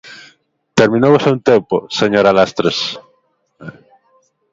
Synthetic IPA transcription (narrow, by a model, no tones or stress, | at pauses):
t̪eɾmĩnoβosaunt̪emposeɲoɾalast̪ɾes